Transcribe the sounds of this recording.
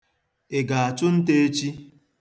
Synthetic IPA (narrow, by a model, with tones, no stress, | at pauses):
e˨ɡa˨a˨t͡ʃʊ˦n̩˦te˦e˦t͡ʃi˦